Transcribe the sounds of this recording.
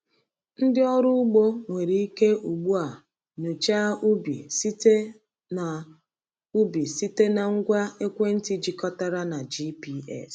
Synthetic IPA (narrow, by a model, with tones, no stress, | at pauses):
n̩˦dɪ˦ɔ˦ɾʊ˦ʊ˦ɡ͡bo˦ŋʷe˨ɾi˨˦i˦ke˦ʔu˨ɡ͡bu˦a˨ | nu˨t͡ʃa˦u˦bḭ˨si˦te˦ | na˨ | u˦bi˨si˦te˦na˨ŋ̩˦ɡʷa˦e˦kʷe˦n̩˦ti˦d͡ʒi˨kɔ˦ta˦ɾa˦na˨d͡ʒi˦pi˦ɛ̰˦˨s